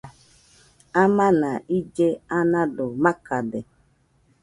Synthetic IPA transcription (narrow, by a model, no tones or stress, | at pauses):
amanaid͡ʒeanadʊmakadɪ